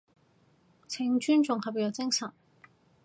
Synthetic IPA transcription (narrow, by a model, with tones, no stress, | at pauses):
t͡sʰɪ˧˥ŋt͡ʃyː˥nt͡sʊ˨ŋhɐ˨p̚ji˨˩jɐ˨˩t͡sɪ˥ŋsɐ˨˩n